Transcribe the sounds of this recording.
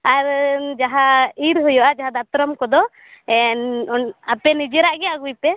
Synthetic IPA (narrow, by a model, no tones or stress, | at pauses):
aɾd͡ʒaɦaiɾɦujɔʔad͡ʒaɦad̪at̪ɾɔmkɔd̪ɔ | ɛnapɛnid͡ʒɛɾaʔɡɛaɡujpɛ